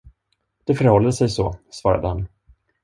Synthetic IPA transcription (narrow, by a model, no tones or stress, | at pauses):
d̪̥ɛfœɾhɔlːəsɛjsɔsvɑːɾa̰d̪əhan